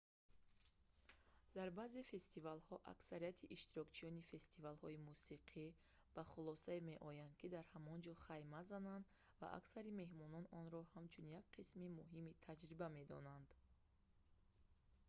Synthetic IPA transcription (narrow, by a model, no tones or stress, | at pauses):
d̪̥aɾbazefe̞st̪ivalhɔʔa̰ksaɾijat̪ʰiʔiʃt̪iɾɔkt͡ʃʰijɔnife̞st̪ivalhɔimusiqʰi | b̥aχulɔsaemeʔɔjand̪̚kʰid̪aɾhamɔnd͡ʒɔχajmazanand̪ | va̰ʔa̰ksaɾime̞ɦmɔnɔnɔnɾɔhamt͡ʃʰunjakqʰismimuɦimit̪ʰad͡ʒɾibame̞d̪ɔ̰nand̪